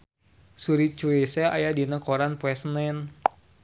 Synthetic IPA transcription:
suɾit͡ʃuesea̰jadinəkɔɾanpwɛsnan

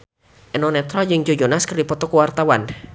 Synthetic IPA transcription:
ʔɛnɔnɛt̪ɾɔd͡ʒɨŋd͡ʒod͡ʒonaskɨrdipɔt̪ɔkuwart̪awan

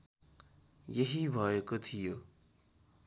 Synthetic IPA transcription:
jeɦibʱʌekot̪ʰijo

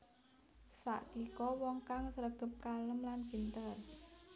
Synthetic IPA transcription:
sa̰ʔkikɔwɔŋkaŋsəɾəɡ̥ə̤p̚kaləmlanpint̪ər

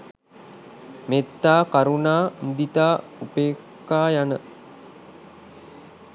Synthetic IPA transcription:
met̪ːaːkaɾunaːmud̪it̪aː | upeːkːaːjanə

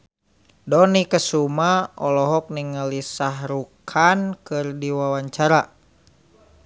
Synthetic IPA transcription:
dɔnikəsumaʔɔlɔɦɔk̚niŋəlisaɦɾukʰankɨrdiwawaɲt͡ʃaɾa

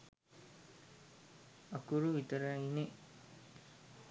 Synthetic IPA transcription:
akuɾuʋit̪əɾəine

